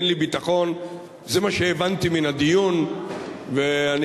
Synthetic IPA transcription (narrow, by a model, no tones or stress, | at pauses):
nlibit̪aχo̞n | zemaʃeːvant̪iminad̪ijun | vean